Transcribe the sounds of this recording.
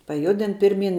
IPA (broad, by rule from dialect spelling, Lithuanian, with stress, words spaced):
pɐˈjʊdʲɪn ˈpʲɪrʲˌmʲiːn